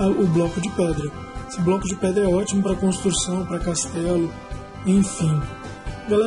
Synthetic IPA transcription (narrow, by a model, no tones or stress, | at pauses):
ʊblɔkʊd͡ʒɪpɛd̪ɾɐ | esɪblɔkʊd͡ʒɪpɛd̪ɾɐɛɔt͡ʃimʊpɾɐkõst̪ɾusɐ̃w̃pɾɐkast̪ɛlʊ | ẽj̃fĩ | ɡalɛ